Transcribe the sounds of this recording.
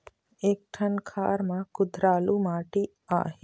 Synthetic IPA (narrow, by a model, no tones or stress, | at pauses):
eːk̚ʈʰɐɳkʰa̰ːɾmakʊd̪ʱɾaːlumaːʈi | a̰ːɦe